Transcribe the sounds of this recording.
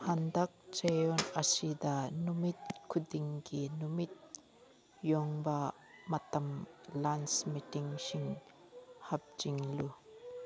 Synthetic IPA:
hand̪ɐk̚t͡ʃejɔnɐsid̪anumit̪̚kʰud̪iŋkinumit̪̚ | jɔŋba | mɐt̪ɐmlansmitiŋʃiŋ | hɐp̚d͡ʒiŋlu

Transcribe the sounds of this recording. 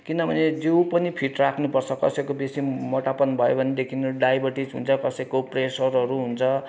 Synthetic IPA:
kinʌbʱʌned͡zewpʌnipʰiʈrakʰnupʌrt͡sʰʌkʌ̰sʌjkobesimʌʈapʌnbʱʌjobʱʌned̪ekʰinʌɾuɖajbʱʌrʈid͡zɦṵnt͡sʰʌkʌsʌjkopresʌɾɦʌɾuɦunt͡sʰʌ

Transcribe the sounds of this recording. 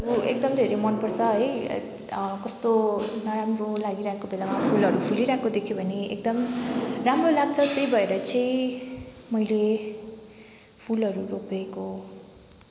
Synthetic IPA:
ʌɾuek̚d̪ʌmd̪ʱeɾemʌnpʌrt͡sʰʌɦʌj̰ | kʌst̪onʌɾamrolaɡiɾaekobelamapʰulʌɾupʰuliɾakod̪ekʰjobʱʌneek̚d̪ʌmramrolaɡ̚t͡sʰʌt̪ejbʱʌeɾʌt͡sʌj̃ | mʌjle | pʰulʌɾuropeko

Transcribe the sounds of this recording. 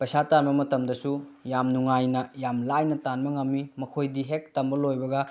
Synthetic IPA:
pɐjsatanbɐmɐtɐmdɐsujamnuŋajnɐjamlajnɐtanbɐŋɐmːimɐkʰojdiɦek̚tɐmbɐlojbɐɡɐ

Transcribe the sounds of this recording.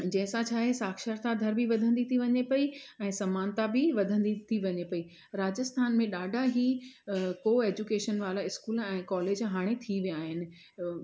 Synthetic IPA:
d͡ʑɐ̃ɦɪ̃sãt͡ɕʰaːɦesaːkʃəɾt̪ad̪ʱɐɾbʱiʋɐd̪ʱə̃nd̪it̪ʰiʋɐɲepɐiɛ̃ːsɐmaːnt̪abɪʋɐd̪ʱə̃nd̪it̪ʰiʋɐɲepɐi | ɾaːd͡ʑəst̪ʰaːnmẽɗaːɖʱaɦi | koːeːd͡ʑukeːʃənʋaːlaɪskuːlɛ̃ːkɔːleːd͡ʑɦaːɽ̃et̪ʰiʋijaːɦɪnɪ̆

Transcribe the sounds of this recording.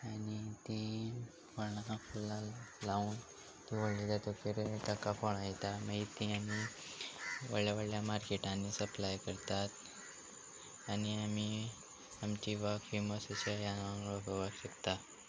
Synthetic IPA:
anit̪i | fənafulːãlauːn | t̪iʋəɽlilat̪okeɾeʈ̪akafoɳ̃ajt̪amait̪iami | ʋəɭjaʋəɭjamaɾkeʈãnːisəplajkəɾt̪at̪ | aniami | amt͡ɕiʋakfeməsut͡ɕajaaəɡəʋakɕet̪a

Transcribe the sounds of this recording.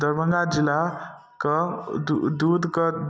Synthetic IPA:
d̪əɾbə̃ŋɡad͡zila | kədud̪ud̪kə

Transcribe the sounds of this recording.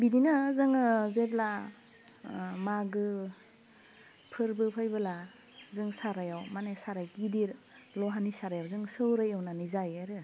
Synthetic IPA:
bidinɯzɯŋɯzebla | maɡɯ | pʰɯɾbɯpʰɯjbɯla | zɯŋsaɾajawmanesaɾajɡidiɾ | lɔɦanisaɾajawzɯŋsɯwɾɯjawnanizajaɾɯ

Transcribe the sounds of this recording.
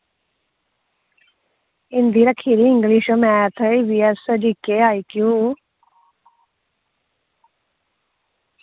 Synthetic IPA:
ɪnd̪iːɾəkʰːiːɾiːɪ̃ŋɡliːʃəmɛːt̪ʰəiʋiːɛsəd͡ʒiːkeːaːiːkjuː

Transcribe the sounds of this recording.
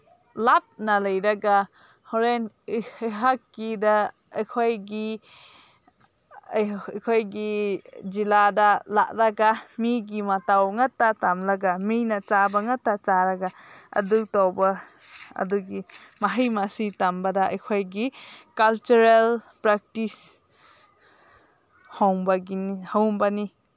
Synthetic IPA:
lap̚nɐlɐjɾɐɡa | hoɾen | ɦakːidɐ | ɐjkʰojɡi | jkʰojɡid͡ʒiladɐla̰ʔ̚ɾɐɡamiɡimatawŋɐtːatamlɐɡaminɐt͡ʃabɐŋatːat͡ʃaɾɐɡaɐ̰duktawbɐɐ̰duɡimaɦijmasitambɐdɐɐ̰jkʰojɡikalt͡ʃuɾel | pɾak̚tis | hawŋbɐɡinihawmbɐni

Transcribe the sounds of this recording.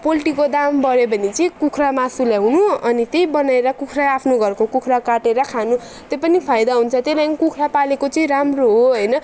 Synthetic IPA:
polʈikod̪ambʌɾebʱʌnit͡sʌĩkukʰramasulaɦunuʌnit̪ejbʌnaeɾʌkukʰraapʰnoɡʱʌrkokukʰrakaʈeɾʌkʰanu | t̪jepʌnipʰajd̪aɦunt͡sʰʌt̪elanikukʰrapalekot͡sʌĩɾamroɦoɦʌjnʌ

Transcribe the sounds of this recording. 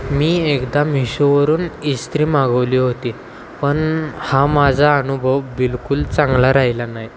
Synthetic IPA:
miːekd̪amiɕuʋəɾuːnist̪ɾiːmaɡəʋliːɦot̪i | pəɳhamad͡zʱaːnubʱəʋbilkult͡sãŋɡlaɾaɦilanaɦi

